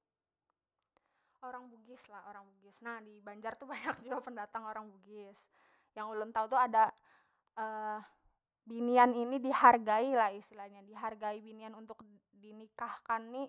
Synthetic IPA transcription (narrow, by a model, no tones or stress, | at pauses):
oɾaŋbuɡɪslahoɾaŋbuɡɪsnahdibaɲd͡ʒart̪ubaɲak̚d͡ʒuapəndat̪aŋoɾaŋbuɡɪs | jaŋulʊnt̪aut̪uada | ʔə | binianinidiharɡailahist̪ilahɲadiɦarɡaibinianunt̪ʊk̚ | dinikahkanːi